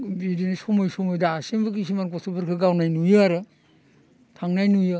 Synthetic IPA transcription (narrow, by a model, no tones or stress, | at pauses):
biɾinisomojsomojdaasembɯk̬is̬imankosʰɯpʰɯɾkʰɯɡawnajnujɯaɾɯ | tʰaŋnajnujɯ